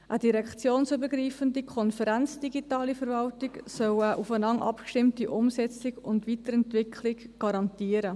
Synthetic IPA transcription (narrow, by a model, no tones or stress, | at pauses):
ʔədiɾɛkt͡sjoːnsybəɾɡɾiːfəndikʰɔnfəɾænt͡sd̥iɡitɑːlifəɾvɑltɪɡsœwəʔufənɑŋʔɑ̰pkʃtɪmtiʔʊmsɛt͡sɪɡʊndʋitəɾɛntvɪkʰlɪɡɡ̥ɑɾɑntiːəɾə